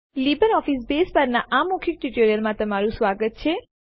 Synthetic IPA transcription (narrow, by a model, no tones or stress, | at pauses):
libəɾɔfisbespəɾnaʔamukʰik̚ʈuʈoɾijəlmãt̪əmaɾũsʋaɡət̪̚t͡ʃʰe